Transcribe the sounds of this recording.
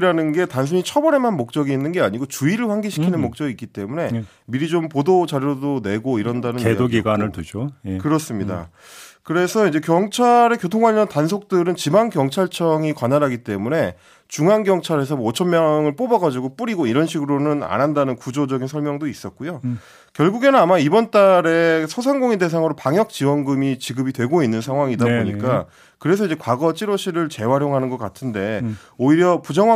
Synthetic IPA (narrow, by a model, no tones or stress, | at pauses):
ɾanɯnɡe̞tans̬ʰuɲit͡ɕʰʌbʌɾe̞manmok̚t͡ɕ͈ʌɡiːnːɯnɡe̞aɲiɡot͡ɕuiɾɯɭɸwaŋɡiɕʰikʰinɯnmok̚t͡ɕ͈ʌɡik͈it͈e̞mune̞ | miɾid͡ʑompodot͡ɕaɾjodone̞ɡoiɾʌndanɯneoɡiɡwanɯɭtud͡ʑokɯɾʌs͈ɯmɲida̰ | kɯɾe̞sʰʌid͡ʑe̞kjʌŋt͡ɕʰaɾe̞kjotʰoŋɡwaʎːʌntans̬ʰok̚t͈ɯɾɯnt͡ɕimankjʌŋt͡ɕʰaɭt͡ɕʰʌŋikwanaɾaɡit͈e̞mune̞ | t͡ɕuŋanɡjʌŋt͡ɕʰaɾe̞s̬ʰʌot͡ɕʰʌnmjʌŋɯɭp͈obʌɡad͡ʑiɡop͈uɾiɡoiɾʌnɕʰiɡɯɾonɯna̰nɦandanɯnkud͡ʑod͡ʑʌɡinsʰʌɭmjʌŋdois͈ʌt̚k͈ujo | kjʌɭɡuɡe̞nɯnamaibʌnt͈aɾe̞sʰosʰaŋɡoŋide̞s̬ʰaŋɯɾopaŋjʌk̚t͡ɕ͈iwʌnɡɯmit͡ɕiɡɯbitwe̞ɡoinːɯnsʰaŋɦwaŋidabboɲikk͈a | kɯɾe̞s̬ʰʌid͡ʑekwaɡʌt͡ɕ͈iɾoɕʰiɾɯɭt͡ɕe̞waɾjoŋɦanɯnɡʌk͈atʰɯnde̞ | oiɾjʌpud͡ʑʌŋ